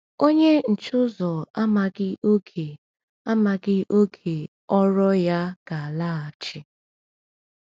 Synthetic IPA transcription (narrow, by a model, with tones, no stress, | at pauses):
o˦ɲe˦n̩˨t͡ʃʊ˦zɔ˨a˦ma˨ɡɪ˦ʔo˦kʰe˨ | a˦ma˨ɡɪ˦ʔo˦kʰe˨ | ɔ˦ɾɔ˦ja˦ɡ̥a˨a˨la˦a˨t͡ʃɪ˦